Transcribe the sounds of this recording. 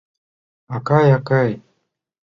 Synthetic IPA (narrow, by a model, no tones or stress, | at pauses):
akajakaj